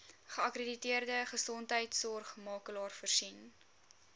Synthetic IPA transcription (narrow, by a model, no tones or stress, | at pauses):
χəɐkreditiərdəχəsɔntɦəjtsɔrχmɑːkəlɑːrfərsin